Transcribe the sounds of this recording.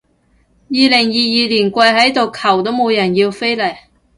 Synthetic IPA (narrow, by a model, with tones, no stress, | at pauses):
jiː˨lɪ˨˩ŋjiː˨˧jiː˧liː˨˩nkʷɐ˧jɦɐ˨˥jt̪o˨wkʰɐ˨˩wt̪o˨˥wmo˨˧wjɐ˨˩njiː˧wfe˥jlɐ˨˩j